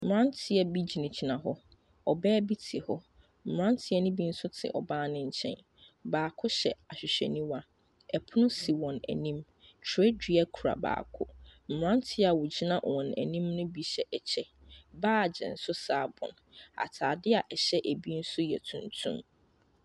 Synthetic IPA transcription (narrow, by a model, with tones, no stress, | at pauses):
m̩˨ɾã˦n˦tʰɪ˨ɛ˦bi˦d͡ʑi˨nĩ˨d͡ʑi˨nã˨ɦɔ˦ | ɔ˨bɛː˦bi˦tʰɪ˨hɔ˦ | m̩˨mɾã˦n˦tʰɪ˦ɛ˦nʊ̃˦bi˦n̩˦sʊ˦tʰɪ̰˨ʔɔ̰˨bãː˦nɪ̃˦ɲ̩˦t͡ɕʰɛ̰̃˦n | baː˨kʰʊ˦ɕɛ˨a˨ɕᶣɪ˨ɕᶣɛ̰˨nĩ˦wã˦ | ɛ˨pʰʊ˦nʊ̃˦si˨wɔ̃˨næ̰˨nĩ˦m | tʰe˦di˦a˦kʰu˨ɾa̰˨ba̰ː˨kʰʊ̰˦m̩˨m˨ã˦ntʰɪ˦a˨wʊ˨d͡ʑi˦nã˦ʔwɔ̃˨næ̰˨nĩ˦mnʊ̃˦bi˨ɕɛ˨ʔɛ˨t͡ɕʰɛ˦ | baː˦˨d͡ʑɛ̰˨n̩˦sʊ˦saː˦˨bɔ̰̃˨n | a̰˨tʰaː˨dɪ˦a˨ʔɛ˨ɕɛ˦ʔæ˨bi˦n̩˦sʊ˦jɛ̰˨tʰũ˨ntʰṵ̃˦m